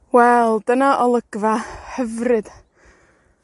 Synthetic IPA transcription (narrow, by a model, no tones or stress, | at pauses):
wɛlˠdənaʔɔlˠəɡ̥vahɛvrɨd̥